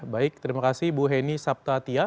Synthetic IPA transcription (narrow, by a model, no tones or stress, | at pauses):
baɪk̚t̪ɾimakasibuɦɛnisap̚t̪at̪ija